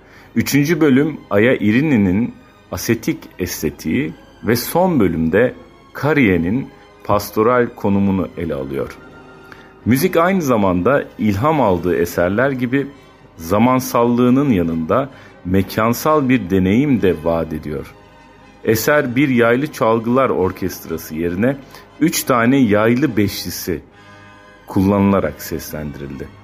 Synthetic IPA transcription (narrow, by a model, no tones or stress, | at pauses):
yt͡ʃʰynd͡ʒybø̞lʲymajaʔiɾininin | ase̞t̪ʰicɛst̪ʰe̞t̪ʰḭi | vɛso̞nbø̞lʲymd̪ɛ | kʰaɾijenin | pʰast̪ʰo̞ɾalʲkʰo̞numunuʔelʲɛa̰lˠɯ̰jo̞̰ɾ̥ | myzicajnɯzamand̪ailʲɦamalˠd̪ɯːesæɾlʲæɾɟibi | zamansalˠːɯːnɯnjanɯnd̪a | mecʰansalˠbiɾd̪e̞ne̞jimd̪ɛvaːd̪e̞d̪ijo̞̰ɾ̥ | esæɾbiɾjajlˠɯt͡ʃʰalˠɡɯlˠaɾo̞ɾcʰɛst̪ɾasɯje̞ɾinɛ | yt͡ʃt̪ʰaːnɛjajlˠɯbɛʃlʲisi | kʰulˠːanɯlˠaɾa̰ksɛslʲænd̪iɾilʲd̪ɪ